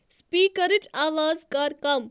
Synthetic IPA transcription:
spiːkəɾiʈaːʋaːzkɐɾkɐm

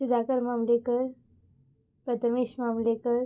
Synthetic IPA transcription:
ud̪ʱakəɾmamlekəɾ | pɾət̪əmeɕmamlekəɾ

